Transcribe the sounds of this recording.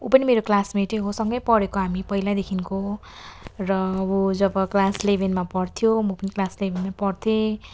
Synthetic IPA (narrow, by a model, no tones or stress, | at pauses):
upʌnimeɾoklasmeʈeɦosʌŋɡʌjpʌɾekoɦamipʌilad̪ekʰinko | rʌbud͡zʌbʌklaslebʱenmapʌrt̪ʰjomʌpʌniklaslebʱenmapʌrt̪ʰje